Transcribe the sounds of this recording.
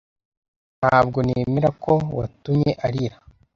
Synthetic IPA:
nhaːb̚ɡo̞neːmeɾako̞wa̰tumɲe̞ʔaɾiɾa

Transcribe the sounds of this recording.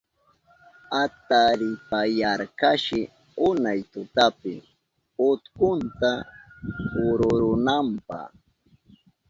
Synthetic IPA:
at̪aɾɪpajaɾkaʃɪ | ʊnajt̪ʊt̪apɪ̰ | ʊt̪kʊnt̪a | hʊɾʊɾʊnampɑ̰χ

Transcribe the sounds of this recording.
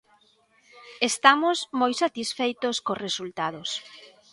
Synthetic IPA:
est̪amosmojsat̪isfejt̪oskosresult̪aðos

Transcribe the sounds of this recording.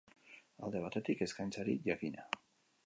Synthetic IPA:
a̰ld̪e̞β̞at̪e̞t̪ike̞skajnt͡saɾiʝakina

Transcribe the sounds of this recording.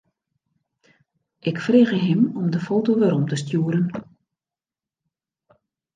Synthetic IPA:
ʔɪkfreːɣəɦɪmɔmdəfoːtoʋɛɾɔmtəstjuːəɾən

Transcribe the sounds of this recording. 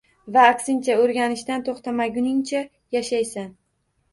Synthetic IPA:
vaːksɪnt͡ʃʰaɵɾɡʲanɪʃd̪ant̪ʰoχt̪ʰamaɡʲʊnɪŋt͡ʃʰa | jaʃajsan

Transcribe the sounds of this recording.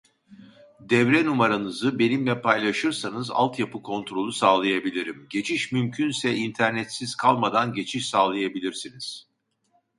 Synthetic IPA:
d̪ɛvɾɛnumaɾanɯzɯbe̞nimlʲɛpʰajlˠaʃɯɾsanɯza̰lˠt̪japɯkʰo̞nt̪ɾo̞lˠusaːlˠajabilʲiɾimɟe̞t͡ʃʰiʃmymcʰynsɛint̪ʰæɾnɛt̪siz̥kʰalˠmad̪anɟe̞t͡ʃʰiʃsaːlˠajabilʲiɾsiniz̥

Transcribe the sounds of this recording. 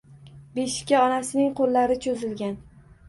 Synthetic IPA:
beʃɪ̥kʲaɒnasɪnɪŋqʰolːaɾɪt͡ʃʰozɪlɡʲan

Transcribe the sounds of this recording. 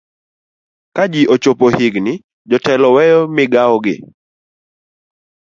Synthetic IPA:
kad͡ʒiʔot͡ʃopohɪɡnɪ | d͡ʒɔtɛlɔwɛjɔmɪɡaɔɡɪ̰

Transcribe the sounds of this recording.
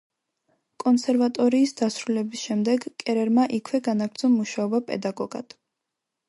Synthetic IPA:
kʼɔnsɛɾvat̪ʼɔɾiːsd̪̥asɾulɛbisʃɛmd̪ɛɡkʼɛɾɛɾmaʔikʰwɛɡanaɡɾtd̪zɔmuʃaɔbapʼɛ̰d̪aɡɔɡ̥a̰d̪̥

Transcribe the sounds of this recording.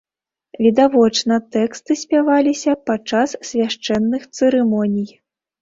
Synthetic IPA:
vʲid̪avɔt͡ʂnɐt̪ɛkst̪ɨsʲpʲavalʲisʲɐpat͡ʂasːʲvʲaʂt͡ʂɛnːɨxt̪sɨɾɨmɔnʲij

